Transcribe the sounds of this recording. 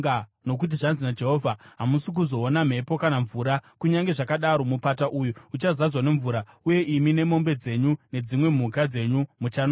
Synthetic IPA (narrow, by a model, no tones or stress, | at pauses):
no̞k̬ut̬iʐanzinad͡ʒe̞ɦoːvʱaɦamusik̬uzo̞ːnam̤e̞po̞kanaɱvuːɾakuɲaŋɡe̞ʐakaɗaɾo̞mupataʔujuut͡ʃazad͡zwane̞ɱvuːɾa | uje̞ʔimine̞mo̞mbe̞d͡ze̞ɲune̞d͡zimwe̞m̤ukad͡ze̞ɲumut͡ʃano